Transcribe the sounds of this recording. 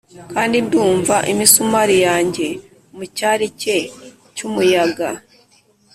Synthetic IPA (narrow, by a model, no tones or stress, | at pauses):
kaːndibduːɱvaʔimisumaɾijaːɲɟe̞ | mucaɾice̞ | cumujaɡa